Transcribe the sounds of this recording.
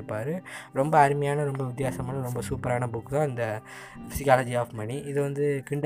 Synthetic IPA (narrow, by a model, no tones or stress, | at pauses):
pːaːɾɯɾɔmbɐːɾɯmɐjaːnɐɾɔmbɐʋɪt̪ːɪjaːsɐmaːnɐɾɔmbɐsuːpɐɾaːnɐbʊkːðãːɪnd̪ɐ | fɪsɪkaːlɐd͡ʒiaːfmɐniɪðɯʋɐnd̪ɯkɪɳɖ